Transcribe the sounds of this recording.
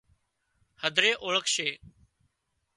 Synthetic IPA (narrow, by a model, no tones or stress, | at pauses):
həd̪ʱɾeːʔoːɭəkʃeː